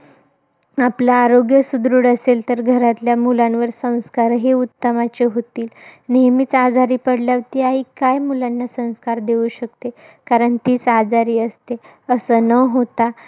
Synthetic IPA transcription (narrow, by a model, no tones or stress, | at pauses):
aplaːɾoɡjəsud̪ɾuːɽəselt̪əɾɡʱəɾat̪ljamulãnʋəɾsə̃w̃skaɾɦeut̪ːəmat͡ɕeɦot̪iːlnemiːt͡sad͡zʱaɾiːpəɽljaʋt̪iaɦiːkajmulanːasə̃w̃skaɾd̪euɕəkt̪e | kaɾəɳt̪iːt͡sad͡zaɾiːəst̪e | əsəːnəɦot̪a